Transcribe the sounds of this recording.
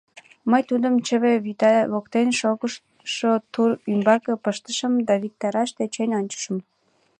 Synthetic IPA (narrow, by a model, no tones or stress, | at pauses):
məjt̪ud̪əmt͡ɕəβeβit̪ɑβokt̪enʃoɣə | ʃot̪uɾymbɑkepəʃt̪əʃəmd̪ɑβik̚t̪ɑɾɑʃt̪et͡ɕenʲonʲt͡ɕə̥ʃəm